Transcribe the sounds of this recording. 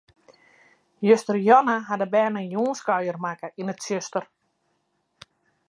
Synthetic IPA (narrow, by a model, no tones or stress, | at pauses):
jøstərjɔnəɦadəbɛːnənjuːnskɔɥjərmakəinətsjøstər